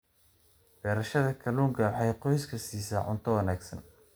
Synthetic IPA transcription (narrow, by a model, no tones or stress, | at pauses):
b̥ɛːɾɐʃɐðɐkʰɐluːŋkʰɐwħɑjqɔjskʰɐsiːsaʕʊ̰nt̪ʰɔwɐnaːɡsɐ̰n